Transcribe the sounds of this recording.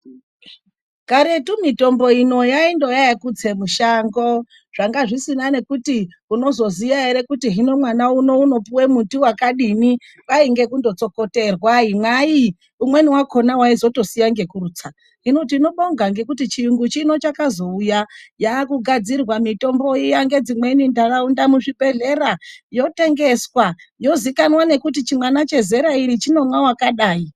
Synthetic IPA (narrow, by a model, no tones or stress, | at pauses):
kaɾe̞tumito̞mbo̞ino̞jaindo̞jajakut͡se̞muʃaːŋɡo̞ | ʐ̥aŋɡaʐisinane̞kuti | uno̞zo̞zijaeɾe̞kutiɦino̞mwanauno̞uno̞puwe̞mutuwakaɗini | ʋaiŋɡe̞kundo̞t͡so̞ko̞te̞rwaimwai | umwe̞niwakʰo̞nawaizo̞to̞sijaŋɡe̞kuruːt͡sa | ɦino̞tiːno̞ɓo̞ŋɡaŋɡe̞kutit͡ʃijuŋɡut͡ʃino̞t͡ʃakazo̞ujajakuɡʱad͡zirwamito̞mbo̞ijaŋɡe̞d͡zimwe̞nindakaundamuʐibʱe̞ɮe̞ɾajo̞te̞ŋɡe̞swajo̞zikanwane̞kutit͡ʃimwanat͡ʃe̞ze̞ɾaiɾit͡ʃino̞mwawakaɗaːi